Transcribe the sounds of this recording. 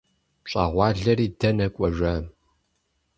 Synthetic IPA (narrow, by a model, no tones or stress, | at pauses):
ɕʼɑ̰ːʁʷɑːɮɐriːdɐnɐkʷʼɔʒʷɐm